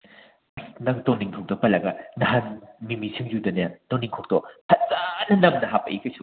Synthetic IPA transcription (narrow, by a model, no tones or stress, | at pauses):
snɐŋtɔŋniŋtʰɔk̚dɔk̚pɐlɐɡɐnɐɦanmimisʰiŋjudɐnɐtɔniŋkʰɔk̚tɔhɐzanɐnɐmnɐɦapɐʔikʰɐsu